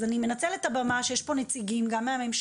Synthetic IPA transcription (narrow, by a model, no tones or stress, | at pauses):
zanime̞nat͡selet̪abamaʃejeʃpo̞net͡siɡimɡamːeamemʃ